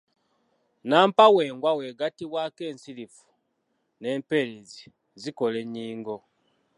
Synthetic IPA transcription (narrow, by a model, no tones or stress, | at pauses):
naːmpawe̞ːŋɡwawe̞ɡatiβwaːke̞ːnsilifu̥ | ne̞ːmpe̞ɾezi | ziko̞le̞ɲːiːŋɡo̞